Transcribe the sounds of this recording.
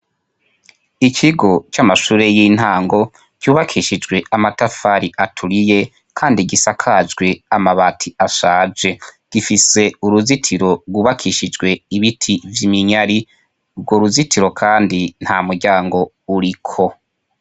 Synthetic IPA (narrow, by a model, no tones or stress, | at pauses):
ikʰiɡo̞t͡ʃamaʃuːɾe̞jin̥haːŋɡo̞ | kuːβakʰiʃid͡ʒɡwe̞amatafaɾiʔatʰuɾije̞ | kʰaːndiɡisakʰad͡ʒɡwe̞amaβatʰiaʃaːd͡ʒe̞ɡ̥ifise̞uɾuzitʰiɾo̞ɡuːβakʰiʃid͡ʒɡwe̞iβitʰivjimiɲaɾi | bɡoɾuzitʰiɾo̞kʰaːndin̥hamuɾɟaːŋɡo̞ | uɾikʰo̞